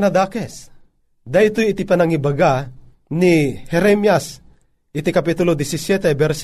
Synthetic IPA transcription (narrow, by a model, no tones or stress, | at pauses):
nad̪akɛs | d̪ait̪ojit̪ipanaŋibaɡa | nihɛɾɛmjas | it̪ikapit̪ʊlod̪ɪsisjɛt̪ɛbɛɾs